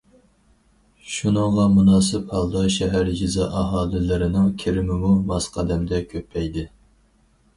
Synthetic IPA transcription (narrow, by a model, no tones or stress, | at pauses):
ʃunɨŋʁɑmunɑːsɨphɑlˠd̪ɑʃɛɦæɾd͡ʒɪzɑʔɑɦɑːlˠɪlɪɾɪnɪŋkʲʰeɾɪmɪmumɑsqʰɑd̪ɛmd̪ɛkʲʰøpʰːɛjd̪ɪ